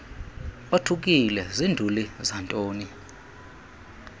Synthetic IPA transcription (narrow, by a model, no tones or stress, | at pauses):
otʰuk̬ʼilɛzindʱulizantʼoːni